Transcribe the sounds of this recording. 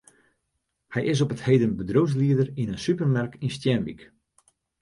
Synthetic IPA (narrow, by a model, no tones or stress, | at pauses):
hɛjʔɪs̬ɔpəthejdənbədrows̬liədərinənsypərmarkinstjɛnʋḭk